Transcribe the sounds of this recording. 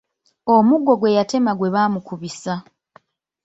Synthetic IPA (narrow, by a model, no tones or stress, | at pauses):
omuɡo̞ɡwe̞jate̞maɡwe̞βaːmukuβisa